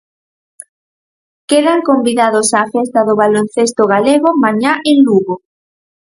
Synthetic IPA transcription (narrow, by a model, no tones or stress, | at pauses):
keðaŋkombiðaðosaːfest̪aðʊβalon̟θest̪oɣaleɣomaɲaʔenluɣo